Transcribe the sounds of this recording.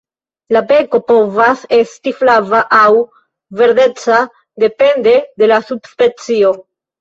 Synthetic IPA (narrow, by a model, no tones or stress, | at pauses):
labe̞ko̞po̞vase̞stiflavaʔaw | ve̞ɾde̞t͡sa | de̞pe̞nde̞de̞lasubspe̞t͡sio̞